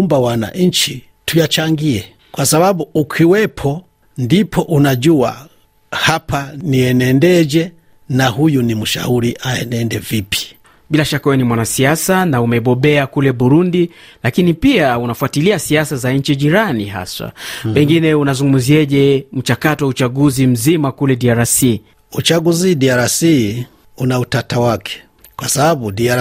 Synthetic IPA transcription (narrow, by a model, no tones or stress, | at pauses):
mbawana̰ɲ̩t͡ʃi | tujat͡ʃaŋɡiɛ | kwasabaɓuukʰiwɛpʰɔ | ndipʰɔʔunaʄua̰ | hapaniɛnɛndɛd͡ʒɛ | nahujunimuʃa̰uɾiʔaɛ̰nɛndɛvipʰi̥ | ɓilaʃakawɛnimwanasiasanaumɛɓɔɓɛakulɛɓuɾundilakinipiaunafuatiliasiasazaɲ̩t͡ʃiʄiɾaniɦa̰swa̰pɛŋɡinɛunazuŋɡum̩ziɛʄɛm̩t͡ʃakatɔwaut͡ʃaɠuzim̩zimakulɛdiaɾasi | ut͡ʃaɡuzidiaɾasi | unautatawakʰɛ̥ | kwasabaɓudia